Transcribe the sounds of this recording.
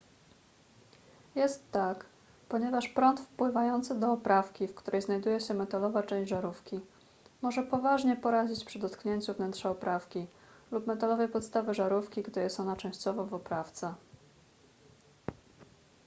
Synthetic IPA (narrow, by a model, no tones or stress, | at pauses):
jɛst̪ːak | pɔɲɛvaʂpɾɔnt̪fpwɘvajɔnt̪sɘd̪ɔːpɾafkʲifkt̪uɾʔɛjznajd̪ujɛɕɛmɛt̪alɔvat͡ʂɛ̃w̃ʑd͡ʑʐaɾufkʲi | mɔʐɛpɔvaʐɲɛpɔɾad͡ʑit͡ɕpʂɘd̪ɔt̪kɲeɲt͡ɕuvnɛnt̪ʂɛɔpɾafkʲi | lupmɛt̪alɔvɛjpɔt̪st̪avɘʐaɾufkʲiɡd̪ɘjɛst̪ɔnat͡ʂɛ̃w̃ɕt͡ɕɔvɔvɔpɾaft̪sɛ